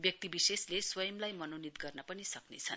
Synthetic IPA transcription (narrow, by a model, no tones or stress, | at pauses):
bjʌk̚t̪ibisesleswʌjʌmlajmʌnonit̪ɡʌrnʌpʌnisʌknḛt͡sʰʌn